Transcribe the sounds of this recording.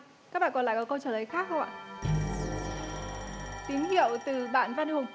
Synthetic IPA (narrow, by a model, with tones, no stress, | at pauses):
ka˦˥ɓaː˧˨kɔ˨˩nla̰ː˧˨˩kɔ˨˦kə˧wt͡ɕəː˧˩lə˨˦jxaː˦˥k̚xə˧wʔa̰ː˧˨ | t̪i˨˦əŋɦi˧˨əwt̪ɨ˨˩ɓa̰ː˧˨nvaː˧nɗi˧hʊ˨˩ŋ͡m